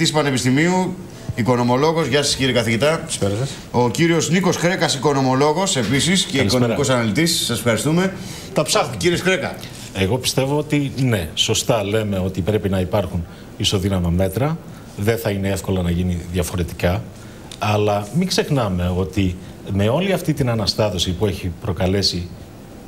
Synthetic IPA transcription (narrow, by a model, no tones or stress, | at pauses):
t̪ispɐne̞pist̪imiu | iko̞no̞mo̞lo̞ɣo̞zʝɐsɐ̥sciɾikɐθiʝit̪ɐseɾt̪e | ociɾio̞zniko̞skɾe̞kɐsiko̞no̞mo̞lo̞ɣo̞se̞pisisceiɐiskooemɾɐikosɐnɐlit̪isːɐsefxɐɾist̪ume̞ | t̪ɐpsɐxciɾioskɾekɐ̰ | e̞ɣo̞pi̥st̪e̞vo̞o̞t̪ine̞so̞st̪ɐle̞me̞o̞t̪ipɾe̞pinɐipɐɾxun | iso̞ðinɐmɐme̞t̪ɾɐ | ðe̞θɐinee̞fko̞lɐnɐʝiniðjɐfo̞ɾe̞t̪i̥kɐ | ɐlɐmiɡze̞xnɐme̞o̞t̪i | me̞o̞liɐft̪it̪inɐnɐst̪ɐðo̞sipue̞çipɾo̞kɐle̞si